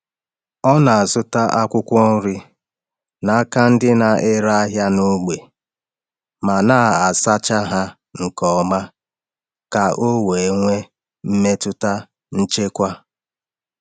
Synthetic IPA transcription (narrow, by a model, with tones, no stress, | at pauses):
ɔ˦na˨a˨zʊ˦ta˦ʔa˦kʷʊ˦kʷɔ˦n̩˦ɾɪ˦ | na˦ka˦n̩˦dɪ˦na˨ʔɪ˦ɾa˦a˦ɦja˦no˦ɡ͡be˨ | ma˨na˦˨a˨sa˦t͡ʃa˦ɦa˦ | ŋ̩˨kɔ˨ma˦ | ka˨ʔo˦we˨e˦ŋʷe˦ | m̩˦me˦tʊ˦ta˦ | n̩˦t͡ʃe˦kʷa˦